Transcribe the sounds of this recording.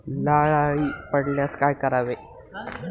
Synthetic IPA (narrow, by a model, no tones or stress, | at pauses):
laɭaɭiːpəɽljaskajkəɾaʋe